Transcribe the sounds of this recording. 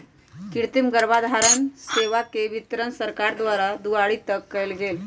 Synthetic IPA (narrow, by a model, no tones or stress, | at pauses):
kiɽt̪imɡəɾbad̪ʱaɾənseʋakeʋit̪ɾənsəɾkaɾd̪ʋaɾad̪uaɭit̪əkːəjlɡel